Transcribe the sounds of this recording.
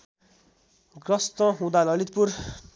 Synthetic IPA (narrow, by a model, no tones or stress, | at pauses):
ɡrʌst̪ʌɦũd̪alʌlit̪̚pur